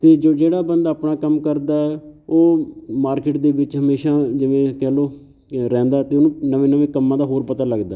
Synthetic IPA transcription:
t̪eːd͡ʒoːd͡ʒeːɽaːbənd̪aːpnaːkəmkəɾd̪aːɛːoːmaːɾkɪʈd̪eːʋɪt͡ʃɦəmeːʃaːd͡ʒɪʋẽːkɛːloː | ɾɛ̃ːnd̪aːɛːt̪eːʊnũːnəʋẽːnəʋẽːkəmːãːd̪aːɦoːɾpət̪aːləɡd̪aːɛ

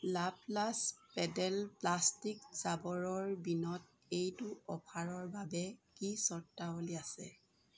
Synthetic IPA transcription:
laplaspɛdɛlplastikzabɔɹɔɹbinɔt̚ | ejtʊɔpʰaɹɔɹbabɛkisɔɹtːaoliasɛ̰

